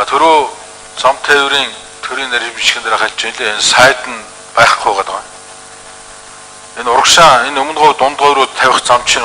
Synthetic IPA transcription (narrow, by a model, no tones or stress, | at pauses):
at̪ʰɵɾoː | t͡sɔmt̪ʰeːwɾiːn | t̪ʰɵɾiːŋnæɾʲpiʃkʲɘ̆nt̪aɾaːχaɮʲt͡ɕinɮeːensaːt̪ɘ̆n | pæːχ̆ʊjʁat̪ə̆ʁa | enʊɾə̆kʃaŋenɵmɵ̆nʁʊjt̪ʊnt̪ʁɔjɾuːt̪ʰːæwʲɪ̆χt͡sam̥t͡ɕʃĭn